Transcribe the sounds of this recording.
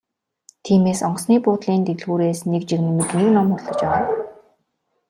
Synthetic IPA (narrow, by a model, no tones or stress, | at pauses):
t̪ʰiːmeːsɔɴɢsniːpʊːt̪ɮiːnt̪eɣɮɣuːɾeːsnekt͡ɕiɣnimɘ̆kneknɔmʊɮɞ̆t͡ɕpæʁaː